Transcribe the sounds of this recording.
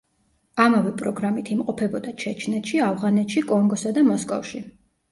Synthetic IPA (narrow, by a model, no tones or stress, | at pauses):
amavɛpʼɾɔɡɾamit̪ʰimqʼɔpʰɛbɔd̪at͡ʃʰɛt͡ʃʰnɛt̪ʃiavʁanɛt̪ʃikʼɔŋɡɔsad̪amɔskʼɔ̰fʃi